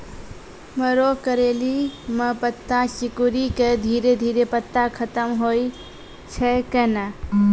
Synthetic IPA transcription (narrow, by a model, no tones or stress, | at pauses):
məɾokəɾeliməpət̪ːasikuɾiked̪ʱiɾed̪ʱiːɾepət̪ːakʰət̪əmɦoj | t͡ʃʰəkena